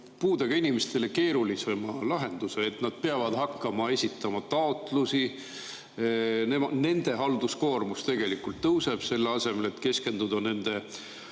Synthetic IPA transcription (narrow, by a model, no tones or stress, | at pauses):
puːd̪̥eɡ̥ɑinimest̪e̞le̞ke̞ːɾulisemɑlɑɦe̞nd̪̥useːt̪nɑd̪̥̚peɑvɑd̪̥hɑkːɑmɑe̞sʲit̪ːˑɑmɑt̪ɑo̞t̪ˑlusi | nemɑne̞nd̪̥e̞ɦɑld̪usko̞ːrmust̪e̞ɡ̥e̞likult̪ːɤwse̞b̥se̞lːeɑse̞me̞le̞t̪ke̞ske̞nd̪̥ud̪ɑne̞nd̪̥e̞